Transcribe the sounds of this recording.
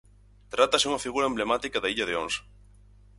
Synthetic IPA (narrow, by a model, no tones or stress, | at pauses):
t̪ɾat̪ɐsɪuŋɐfiɣuɾɐemblemat̪ikɐðaiʎɐðeons